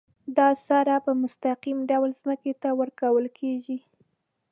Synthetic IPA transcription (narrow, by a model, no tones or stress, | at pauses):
d̪ɑsaɾapəmʊst̪aqimɖawlzməket̪awəɾkawəlkʰeʒi